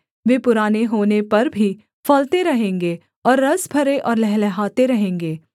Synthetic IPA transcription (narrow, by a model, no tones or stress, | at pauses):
ʋeːpʊɾaːneɦoːnepɐɾbʱi | fɐlt̪eɾɐɦẽːŋɡeː | ɔːɾːɐsbʱɐɾeʔɔːɾlɛɦlɛɦaːt̪eɾɐɦẽːŋɡeː